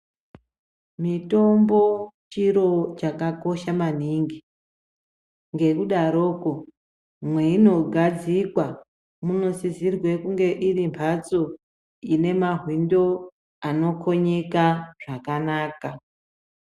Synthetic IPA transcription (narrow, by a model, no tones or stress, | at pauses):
mito̞mbo̞t͡ʃiɾo̞t͡ʃakako̞ʃaman̤iŋɡi | ŋɡe̞kuɗaɾo̞ːko̞ | mwe̞ino̞ɡʱad͡zikwa | muno̞sizirwe̞kuŋɡe̞ʔirimpʰat͡so̞ | ine̞maɦwindo̞ | ano̞kʰo̞ɲekaʐ̥akanaːka